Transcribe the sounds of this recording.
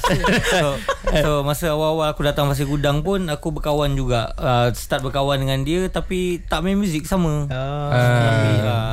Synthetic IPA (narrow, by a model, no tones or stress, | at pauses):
soomasəawaawalakudat̪aŋpas̬ikudaŋpʊnakubərkawand͡ʒuɡaəsə̥t̪at̪̚bərkawandəŋãndiət̪apit̪aʔmemjũzɪk̚samə̃əaia